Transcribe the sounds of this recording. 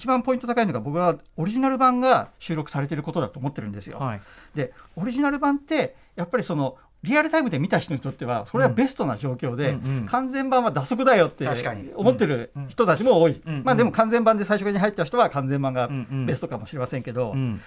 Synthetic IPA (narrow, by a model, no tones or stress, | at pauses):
it͡ɕibãmpo̞ĩnt̪ot̪akainoɡabo̞kɯ̟βao̞ɾʲiʑinaɾɯ̟bãŋɡaɕɨːɾo̞kɯ̟̥saɾe̞t̪e̞ɾɯ̟ko̞t̪o̞d̪a̰t̪oːmo̞t̪ːe̞ɾɯ̟̃nd̪e̞sɨjo̰d̪e̞oɾʲiʑinaɾɯ̟bãnt̪ːe̞ | japːaɾʲiso̞no̞ | ɾʲiaɾɯt̪aimɯ̟d̪e̞mʲit̪açi̥t̪o̞ɲ̟it̪o̞t̪ːe̞βaso̞ɾe̞abe̞sɨ̥t̪o̞na̰ʑo̞ːkʲo̞ːd̪e̞kʰãnd͡zẽ̞mbãɰ̃βad̪aso̞k̬ɯ̟d̪ajo̞t̪ːe̞jɯomo̞t̪ːe̞ɾɯ̟çi̥t̪o̞t̪at͡ɕimo̞oːimaːd̪e̞mo̞kãnd͡zembãnd̪e̞saiɕokɯɲ̟iɦait̪ːet̪ːaçi̥t̪o̞βakãnd͡zẽ̞mbãŋɡabe̞st̪okamo̞ɕiɾe̞masẽŋke̞d̪o̞̰